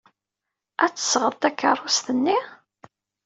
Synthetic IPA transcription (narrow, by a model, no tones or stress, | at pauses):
ʔæt͡sːə̥sʁəðˤt̪ækːərˤːʊst̪ənːi